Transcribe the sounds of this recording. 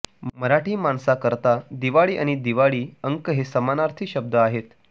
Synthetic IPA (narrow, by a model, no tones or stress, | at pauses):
məɾaʈiːmansakəɾt̪ad̪iʋaɭiːʔa̰ɽ̃id̪iʋaɭiːəŋkəɦesəmanaɾt̪ʰiɕəb̚d̪ʱəaɦet̪